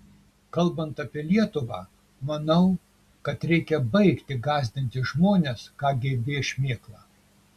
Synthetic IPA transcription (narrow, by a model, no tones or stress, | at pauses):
kɐlˠˑbɐnt̪ɐpʲɪlʲiɛt̪ʊʋɑ̰ː | mɐnɐʊ | kɐt̪ɾʲɛɪkʲɛbɐɪkt̪ʲɪɡɑːzʲd̪ʲɪnʲt̪ʲɪʒmoːnʲeːskɑːɡʲebʲeɪʃʲmʲeːklˠɑː